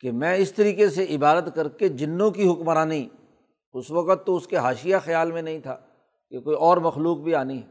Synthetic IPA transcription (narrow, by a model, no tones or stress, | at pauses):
kemɛ̃ːɪst̪ɐɾiːkeseʔɪbaːd̪ət̪kɐɾked͡ʒɪnːõkiɦʊkmaɾanɐɦĩː | ʊsʋɐkət̪ːoʊskeɦaːʃɪjaxɐjaːlmẽnɐɦĩt̪ʰa̰ː | kekoːiɔːɾmɐxluːk̚bʱiaːniɦɛː